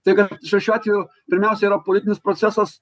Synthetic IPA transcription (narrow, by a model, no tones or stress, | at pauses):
t̪ɐɪkɐʃʲɛʃʲæːt̪ʲɪjoː | pʲɪɾʲmʲæˑʊsʲɛiːɾɐpolɪt̪ʲɪnʲɪspɾot̪sʲæsɐs